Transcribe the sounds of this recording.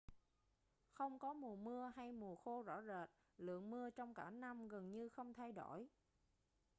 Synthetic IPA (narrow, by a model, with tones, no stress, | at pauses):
xə˧wŋ͡mkɔ˨˦mu˨˩əmɨ˧əɦa˧jmu˨˩əxo˧zɔ̰˧˥zəː˨˩t̚ | lɨ̰˧˨əŋmɨ˧ət͡ɕɔ˧wŋ͡mkaː˧˩na˧mɣə˨˩nɲɨ˧xə˧wŋ͡mt̪ʰa˧jɗo˧˩j